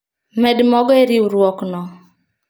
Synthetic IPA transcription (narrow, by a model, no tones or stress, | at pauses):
mɛdmɔɡɔeɾiuɾwɔknɔ